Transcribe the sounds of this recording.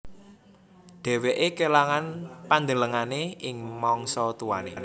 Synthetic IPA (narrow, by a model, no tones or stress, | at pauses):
ɖ̥ɛ̤weʔekelaŋanpand̪ələŋaneʔɪŋmɔŋsɔt̪uwa̰nḛn